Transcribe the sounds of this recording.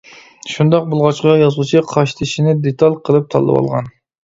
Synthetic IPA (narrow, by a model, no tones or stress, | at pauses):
ʃund̪ɑq̚bulˠʁɑt͡ʃqɑjɑzlˠut͡ʃʰiqʰɑʃt̪ʰɪʃinɪd̪et̪ʰɑlʲqʰəlˠɨp̚t̪ʰɑ̰lˠːɨ̰wɑ̰lˠʁɑ̰n